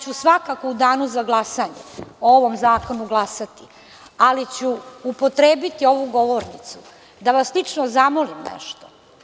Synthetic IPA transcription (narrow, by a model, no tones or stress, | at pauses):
t͡ɕusʋakakoud̪aːnuzaɡlˠasaɲḛooʋo̞mzaːko̞nuɡlˠasat̪i | alit͡ɕuupo̞t̪ɾeːbit̪io̞ʋuɡo̞ʋo̞ɾnit̪su | d̪aʋaslit͡ʂnozamolimnḛʃt̪o